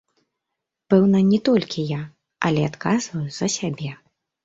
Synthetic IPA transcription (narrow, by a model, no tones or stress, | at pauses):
pɛwnɐnʲɛt̪ɔlʲkʲija | ɐlʲɛat̪kazvɐjuzɐsʲabʲɛ